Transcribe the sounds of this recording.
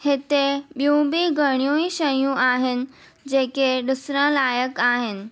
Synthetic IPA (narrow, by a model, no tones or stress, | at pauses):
het̪eɓjũbiɡʱəɽ̃ijoĩʃəjũʔaɦɪn̆ | d͡ʑekeɖʊsɾə̃laːjəkaɦen̆